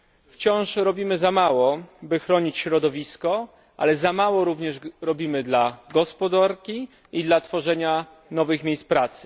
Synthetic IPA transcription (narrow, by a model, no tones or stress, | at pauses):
ft͡ɕɔ̃w̃ʂɾɔbʲimɘzamawɔbɘxɾɔɲit͡ɕɕɾɔd̪ɔvʲiskɔ | ʔa̰lɛzamawɔɾuvɲɛʂɾɔbʲimɘd̪laɡɔspɔd̪aɾkʲi | id̪lat̪fɔʐɛɲa | nɔvɘxmʲjejs̚pɾat̪sɘ̥